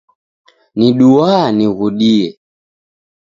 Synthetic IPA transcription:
niɗuaniɣuɗiɛ

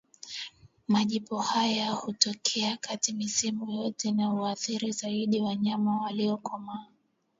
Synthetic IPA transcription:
maʄipɔhajahutɔkʰɛakatimisimujɔtʰɛnauaθiɾizaiɗiwaɲamawaliɔkɔmaː

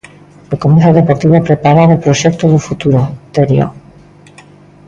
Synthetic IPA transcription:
ekomeθaðepoɾt̪iβoepɾepaɾaɾelpɾoʃek̚t̪oðufut̪uɾot̪eɾjo̰

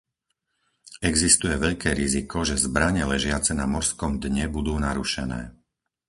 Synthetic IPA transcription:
ɛɡzist̪ujɛʋɛʎkɛːɾizikɔʒɛzbɾaɲɛlɛʒɪat͡sɛnamɔɾskɔmd̪ɲɛbud̪uːnaɾuʃɛnɛ̰ː

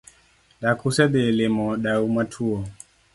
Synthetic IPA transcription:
ɗakusɛd̪ɛlemɔɗaumatʰuɔ

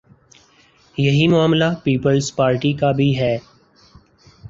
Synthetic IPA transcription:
jɐɦimʊaːmlapiːpəlzpaːɾʈikabʱiɦɛː

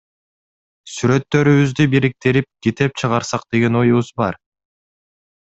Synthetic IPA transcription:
syɾø̞t̪ːø̞ɾyβyzd̪ybiɾik̚t̪eɾip̚ɡ̥ʲet̪e̞p̚t͡ʃʰɯʁɑɾsɑqd̪̥e̞ɡe̞no̞juβuzbɑ̰ɾ

